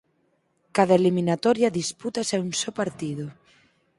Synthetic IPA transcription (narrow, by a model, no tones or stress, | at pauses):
kaðaelimĩnat̪oɾjaðisput̪asaunsopaɾt̪iðo